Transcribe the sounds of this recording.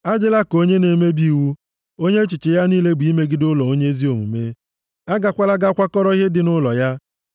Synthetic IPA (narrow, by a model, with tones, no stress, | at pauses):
a˦d͡ʒɪ˦la˦ko˦ɲe˦ne˨me˦bi˦˨wu˦ | o˦ɲe˦t͡ʃɪ˨t͡ʃɪ˨ja˦niː˦le˦ɡ͡bi˦me˦ɡɪ˦dʊ˦lɔ˨o˦ɲe˦e˦zi˦o˨ŋʷṵ˨me˦ | a˦ɡa˨kʷa˦la˦ɡa˦kʷa˦kɔ˦ɾɔ˦i˦ɦɪ˦dɪ˨nʊ˦lɔ˨ja˦